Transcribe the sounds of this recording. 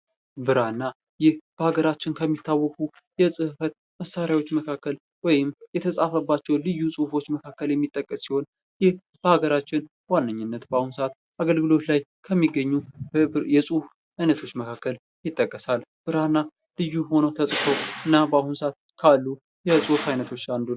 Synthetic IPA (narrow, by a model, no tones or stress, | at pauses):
bɨɾanːa | jɪhb̥əhaɡəɾat͡ʃːɪnkʰəmːit̪ʰːawːɔkʼu | jɛsʼɨhfət̪̚ | məsaɾjawo̞t͡ʃːməkʰakːəl | wɔjɪmjɛt̪ʰəsʼafəbːat͡ʃːɛwlɨjːusʼuhfo̞t͡ʃːməkʰakːəljɛmːit̪ʼːəkʼːəsːiho̞n | jɪh | b̥əhaɡəɾat͡ʃːɪn | wanːəɲːɪnːət̪bəahunsat̪ | ʔaɡəlɡɨlo̞t̪lajkʰəmːiɡəɲːujɛsʼuf | ajnət̪ʰo̞t͡ʃːməkʰakːəl | jɪt̪ʼːəkʼːəsalb̥ɨɾanːa | lɨjːuho̞nəwt̪ʰəsʼkʰowɨnːabəahunsat̪kʰalːu | jɛsʼuhfajnət̪ʰo̞t͡ʃːand̪u